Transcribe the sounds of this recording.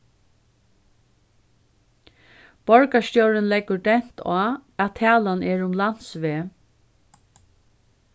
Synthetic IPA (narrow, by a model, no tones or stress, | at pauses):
b̥ɔɹkast̪jɔwɾɪnlɛkːəɹd̪ɛn̥t̪ʰaːæt̪ʰːæːlanɛːɹʊmlan̥sʋeː